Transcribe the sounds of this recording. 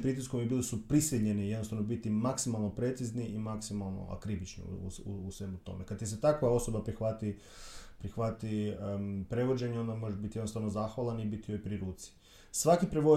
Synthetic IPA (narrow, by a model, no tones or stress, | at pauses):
pɾit̪̬iskomjebilisupɾisʋiɲenijed̪nost̪aʋnobit̪imaksimalˠnopɾe̞t̪sizniʔimaksimalˠno̞̰a̰kɾibit͡ʃnḭṵṵusʋe̞mut̪o̞̰mʔekad̪̚t̪is̬et̪akʋao̞so̞bapɾixʋat̪i | pɾixʋat̪i | pɾe̞ʋo̞d͡ʒe̞ɲeo̞nd̪amo̞ʒebit̪ijd̪nost̪aʋno̞zaxʋalanibit̪ijojpɾiɾuːt̪si̥ | sʋakipɾeʋo